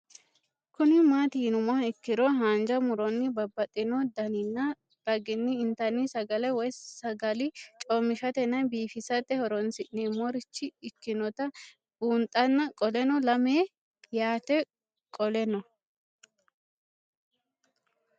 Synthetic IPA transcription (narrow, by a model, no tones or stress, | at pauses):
kʊnɪmaːt̪ɪnʊmaɪkːɪɾɔɦaːnd͡ʒɐmʊɾɔnːɪbɐbːɐt̪ʼːɪnɔd̪ɐnɪnːɐ | ɾ̥ɐɡɪnːɪːnt̪ɐnɪsɐɡɐlɛwɔjsɐɡɐlɪt͡ʃʼɔmːɪʃɐt̪ɛnɐnbiːfɪsɐt̪ɛhɔɾɔnsɪʔneːmːɔɾɪt͡ʃːɪɪkːɪnɔt̪ɐ | b̥uːnt̪ʼːɐnːɐkʼɔlɛnɔlɐmeː | jaːt̪ɛ | kʼɔlɛnɔ